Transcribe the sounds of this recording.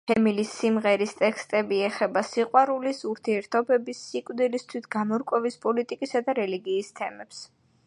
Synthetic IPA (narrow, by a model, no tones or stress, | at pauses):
pʰɛmilisːimʁɛɾist̪ʼɛkst̪ʼɛbiɛχɛbasiqʼwaɾulisuɾt̪ʰiɛɾt̪ʰɔbɛbisːikʼwvd̪ilist̪ʰwit̪ɡamɔɾkʼwɛvispʼɔlit̪ʼikʼisad̪aɾɛliɡiːst̪ʰɛmɛps